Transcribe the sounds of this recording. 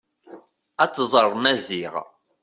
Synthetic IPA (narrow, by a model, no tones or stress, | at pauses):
æt͡sːzˤəɾˤmæziʁ